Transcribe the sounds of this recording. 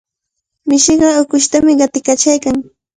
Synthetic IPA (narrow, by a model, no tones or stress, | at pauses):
mɪʃɪɢɑʊkʊʃt̪amɪɢɑt̪ɪkat͡ʃajkaŋ